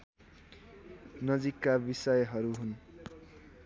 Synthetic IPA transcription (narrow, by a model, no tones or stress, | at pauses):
nʌd͡zikːabisʌjɦʌɾuɦun